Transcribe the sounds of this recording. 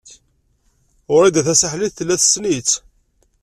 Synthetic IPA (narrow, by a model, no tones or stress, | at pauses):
ʊɾid̪æθæsaħliθθəlːæθsnit͡sː